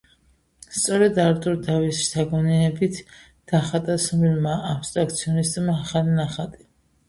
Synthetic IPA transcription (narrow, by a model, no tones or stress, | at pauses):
st̪sʼɔɾɛd̪aɾt̪ʼuɾd̪avisʃt̪ʰaɡɔnɛːbit̪ʰ | d̪̥aχat̪ʼasɔmilmaːpst̪ʼɾak̚t̪sʰiɔnist̪ʼmaːχalinaχat̪ʼi